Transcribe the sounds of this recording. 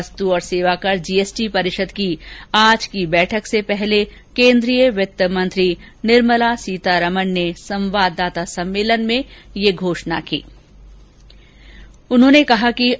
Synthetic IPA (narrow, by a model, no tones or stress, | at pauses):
st̪uɔːɾseːʋakɐɾd͡ʒiːeːsʈipɐɾɪʃəd̪kiaːd͡ʒkibɛːʈʰəksepɛɦle | kẽːnd̪ɾijəʋɪt̪əmɐ̃nt̪ɾi | nɪɾməlasiːt̪aɾɐmənnesɐ̃mʋaːd̪ːaːt̪asɐ̃mːeːlənmẽjeɡʱoːʃna̰kḭː | ʊnɦõːnekɐɦaki